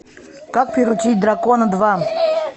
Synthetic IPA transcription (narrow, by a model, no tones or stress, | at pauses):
kak̚pʲɪɾʊt͡ɕit̚ʲd̪rakonəd̪va